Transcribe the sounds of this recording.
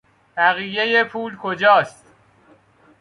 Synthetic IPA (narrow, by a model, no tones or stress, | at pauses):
b̥æɣije̞jepʰuːlkʰod͡ʒɒːst̪